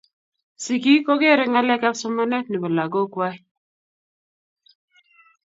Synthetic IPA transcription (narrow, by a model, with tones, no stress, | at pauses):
si˨ki˦ko˦ɡe˦˨ɾɪ˨˦ŋa˦lɛ˦ka˦psʊ˦mɔ˦nɛ˦tni˨bɔ˨la˨ɡo˦kwa˦i˦